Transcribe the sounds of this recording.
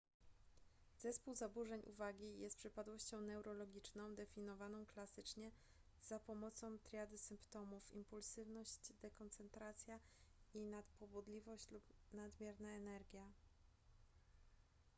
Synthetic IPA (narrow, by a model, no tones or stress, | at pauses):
z̥ɛspuwzabuʐɛɲʔṵvaɡʲijɛst̪pʂɘpad̪wɔɕt͡ɕɔ̃w̃nɛwɾɔlɔɡʲit͡ʂnɔ̃w̃d̪ɛfʲinɔvanɔ̃w̃klasɘt͡ʂɲɛ | z̥apɔmɔt̪sɔ̃w̃t̪ɾʲjad̪ɘsɘmpt̪ɔmufimpulsɘvnɔɕt͡ɕd̪ɛkɔnt̪sɛnt̪ɾat̪sʲjainat̪pɔbɔd̪lʲivɔɕt͡ɕlupnad̪mʲjɛɾnaɛnɛɾɡʲja